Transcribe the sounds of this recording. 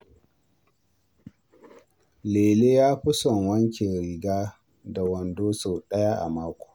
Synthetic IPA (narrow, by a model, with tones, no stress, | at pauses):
leː˨leː˦jaː˦ɸʊ˦sɔ˨ŋwɐ˦ŋkʲe˨ɾɪ˨ɡaː˦ | da˨wɐ˨ndoː˦so˨ɗɐ˦ja˦ʔa̰˨maː˦kʷo̥ː˨